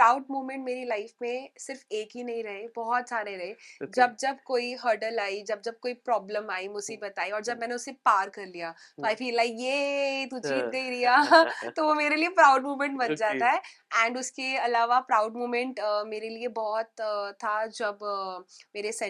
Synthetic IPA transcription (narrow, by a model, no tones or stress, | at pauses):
ppɾaːʊɖ̚muːmɛ̃ɳʈmeːɾilaɪfmẽsɪɾfeːkɦinɐɦĩɾɐɦebɔɦɔt̪saːɾeɾɐɦed͡ʒɐb̚d͡ʒɐbkoːiɦɐɾɖəlaːid͡ʒɐb̚d͡ʒɐb̚koːipɾɔːblə̃maːimʊd͡ʒsebɐt̪aːiɔːɾd͡ʒɐb̚mɛːneʊsepaːɾkɐɾlijaː | tafelaːɪjet̪ʊt͡ʃiːt̪̚ɡɐiɾijaːt̪oʋomeːɾeliepɾaːʊɖmuːmɛ̃ɳʈbɐnd͡ʒaːt̪aɦɛɛ̃ːɳɖʊskeɐlaːʋapɾaːʊɖmuːmɛ̃ɳʈmeːɾeliebɔɦɔt̪ʰːad͡ʒɐb | meːɾesɛ